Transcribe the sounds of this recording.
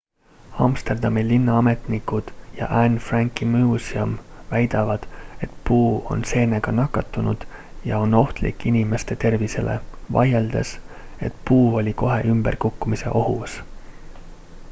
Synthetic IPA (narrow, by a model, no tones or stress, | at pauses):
ɑ̰mst̪e̞rd̪ɑmilinːɑɑme̞t̪nikud̪̥jɑ̰ʔænfrɑŋkˑimuːsiɑmvæjd̪̥ɑvɑd̪̥e̞t̪puːo̞̰nse̞ːneɡ̥ɑnɑkːˑɑt̪ːˑunud̪̥ | jɑo̞no̞ht̪lḭkːˑinime̞st̪e̞t̪e̞rvise̞lʔe̞̰vɑ̰jeld̪e̞s | e̞t̪puːo̞lʲiko̞ɦe̞̰ʔymb̥e̞rkukːumise̞̰ʔo̞ɦus